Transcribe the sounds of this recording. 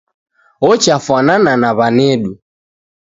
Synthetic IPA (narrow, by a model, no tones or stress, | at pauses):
ɔt͡ʃafwanananaβanɛɗu